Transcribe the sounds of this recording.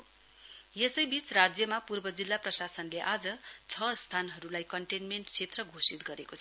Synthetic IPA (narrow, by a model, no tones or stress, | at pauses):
jesʌjbit͡srad͡zjʌmapurbʌd͡zilːaprʌsasʌnleʔad͡zʌt͡sʰʌst̪ʰanɦʌɾulajkʌɳʈenmeɳʈt͡sʰet̪rʌɡʱosit̪̚ɡʌɾekot͡sʰʌ